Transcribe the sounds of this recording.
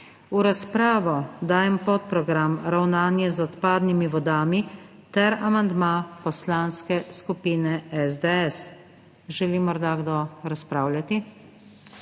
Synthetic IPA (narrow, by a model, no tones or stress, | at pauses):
uɾaspɾaːʋɔd̪aːjɛmpɔt̪̚pɾɔɡɾamɾawnaːnjɛzɔt̪paːd̪nimiʋɔd̪aːmi | t̪ɛɾamand̪mapɔslaːnskɛskupiːnɛɛzd̪ɛɛs | ʒɛlimɔɾd̪aɡd̪oɾaspɾaːwlʲjat̪i